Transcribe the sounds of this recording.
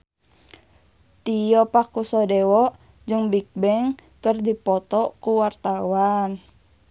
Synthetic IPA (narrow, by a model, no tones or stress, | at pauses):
t̪ijɔpakːusɔdɛwɔʔ | d͡ʒɨŋbik̚bɛŋkərdipɔt̪ɔkuwart̪awan